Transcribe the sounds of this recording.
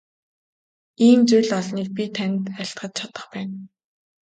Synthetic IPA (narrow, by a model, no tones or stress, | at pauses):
iːmt͡sujɮɔɮniːk̚pʲit̪ʰænʲt̪æɬt̪ɢə̆t̪t͡ɕʰat̪ə̆χpæːn